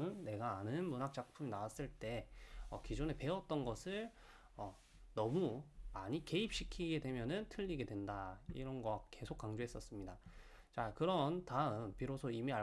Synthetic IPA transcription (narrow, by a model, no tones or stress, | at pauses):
ɯnːe̞ɡaːnɯnmunɦak̚t͡ɕ͈ak̚pʰuminawas͈ɯɭt͈e̞ʌ̰kid͡ʑone̞pe̞ʌt̚t͈ʌnɡʌsʰɯɭ | ʌ | nʌmumaɲike̞ip̚ɕ͈ikʰiɡe̞dwe̞mjʌnɯntʰɯʎːiɡe̞dwe̞ndaḭɾʌnɡʌke̞sʰok͈aŋd͡ʑoɦe̞s͈ʌs͈ɯmɲida | t͡ɕakɯɾʌntaɯmpiɾosʰʌimia